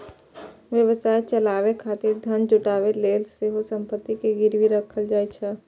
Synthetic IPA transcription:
ʋjəʋəsaːet͡ʃɐlaːʋekʰaːt̪ɪɾd̪ʱɐnd͡ʒʊʈaːʋeleːlseɦosə̃mpət̪ːikeɡɪɾwiɾəkʰəld͡ʒaːet͡ʃʰɛ

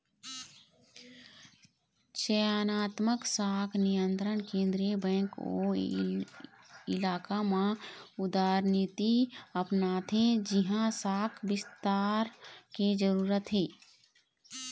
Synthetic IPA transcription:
t͡ʃeanaːt̪məksaːkʰnijə̃nt̪ɾənkẽːnd̪ɾiəbɛ̃ːŋko̰ | ɪlaːkamãʊd̪aːɾnit̪iəpnaːt̪ɦẽd͡ʒɪɦãsaːkʰbɪst̪aːɾked͡ʒəɾuːɾət̪ɦeː

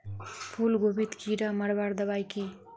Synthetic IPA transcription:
pʰulɡobit̪kiɾaməɾbaɾd̪əβajki

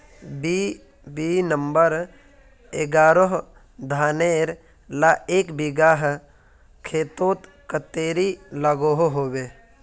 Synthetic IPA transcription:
bi | biːnəmbəɾ | eɡaːɾoɦ | d̪ʱaːneːɾ | laeːkbiɡaːɦ | kʰeːt̪oːt̪ | kət̪eːɾiləɡoɦoɦoːbeː

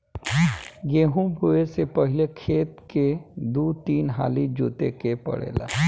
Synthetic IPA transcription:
ɡeːɦũbʱuesepɐɦɪlekʰeːt̪ked̪uːt̪iːnɦa̰ːlid͡ʒoːt̪ḛkepɐ̰ɽḛːla̰

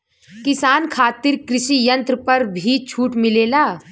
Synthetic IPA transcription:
kɪsaːnkʰaːt̪ɪɾkɾɪʃijɐ̃nt̪ɾəpɐɾbʱit͡ʃʰuːʈmɪleːlaː

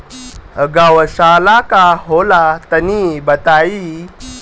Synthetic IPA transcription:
əɡawəɕalakaɦolat̪ənibət̪ai

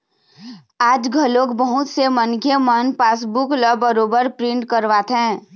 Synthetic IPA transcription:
aːd͡ʒɡʱəloːkbəɦʊt̪semənkʰjemənpaːs̬bukləbːəɾoːbəɾpɾɪ̃ɳʈkəɾʋat̪ɦɛ̃

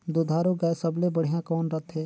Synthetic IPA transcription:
d̪ʊd̪ʱaːɾoɡaesəblebəɽ̤ijãkɔːnɾət̪ʰɦeː

